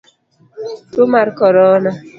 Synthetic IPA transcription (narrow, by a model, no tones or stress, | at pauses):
tomaɾkɔɾɔna